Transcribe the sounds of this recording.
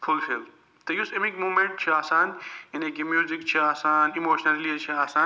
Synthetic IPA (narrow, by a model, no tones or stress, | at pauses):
fʊlfel | t̪ɐjusemikmuːmẽɳʈ̚t͡ʃʰiaːsaːnɐnekimjuːzik̚t͡ʃʰiaːsaːnimoːʃnɐllit͡ʃʰiaːsaːn